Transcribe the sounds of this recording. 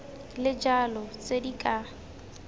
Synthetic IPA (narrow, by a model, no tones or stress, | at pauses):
lɪd͡ʒalɔt͡sʼedikʼa